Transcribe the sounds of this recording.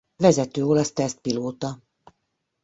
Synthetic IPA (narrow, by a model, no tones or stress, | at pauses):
vɛzɛt̪øːoːlɒst̪ɛɛst̪̚piloːt̪ɒ